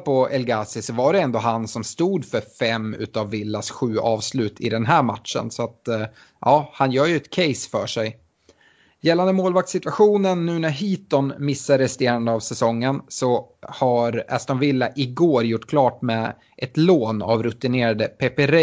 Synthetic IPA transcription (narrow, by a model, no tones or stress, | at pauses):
pʰɔɛlɡasɪsɔvaɖɛɛnd̪oːɦansɔmst̪uːd̪fœɾfɛmʉ̟̰ːt̪ɑvːɪlːasɧʉ̟ːʔɑːvslʉ̟ːt̪ʰɪ̰d̪ɛnɦæːɾmat̪ʂə̰nsɔat̪ | ʔɑːhanjœːɾjɵɛt̪kʰɛjsfœːʂɛj | jɛlːand̪əmoːlvak̚t̪sɪt̪vaɧuːnənːʉ̟ːnæɾɦiːt̪ɔnmɪsːaɾɛst̪eːɾand̪əɑvsɛsɔŋːənsɔhaɾɛ̰st̪ɔnvɪlːaʔɪɡoːɾjʊʈːkʰlɑːʈmɛ | ʔɛt̪loːna̰vɾɵt̪ɪneːɾad̪əpʰɛpɛɾɛ